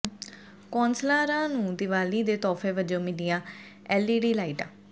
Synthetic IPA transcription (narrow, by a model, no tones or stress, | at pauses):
kɔːnslaːɾãːnũːd̪ɪʋaːliːd̪eːt̪ɔːfʰeːʋəd͡ʒõːmɪlɪjãː | ɛːliːɖiːlaːiːʈã̰ː